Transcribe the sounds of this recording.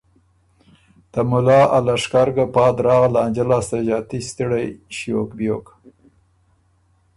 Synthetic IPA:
t̪amʊlɑːʔalaʂkɑɾɡapɑd̪ɾɑːɣalaːnd͡ʒalɑst̪aʒɑːt̪ist̪iɽajʃjokbjok

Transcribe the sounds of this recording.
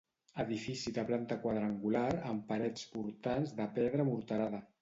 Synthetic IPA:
əðifisiðəplant̪əkwaðɾaŋɡulaɾəmpaɾɛt͡spuɾt̪anzðəpɛðɾəmuɾt̪əɾaðə

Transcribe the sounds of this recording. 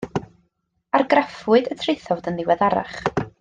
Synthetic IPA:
arɡrafʊɨdətʰrejθɔvdənðɪwɛðaɾa̰χ

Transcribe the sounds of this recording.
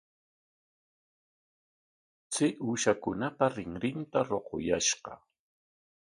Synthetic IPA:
t͡sɪʔuʃakʊnapaɾɪŋɾɪnt̪aɾoqo̰jaʃɢɑ̰

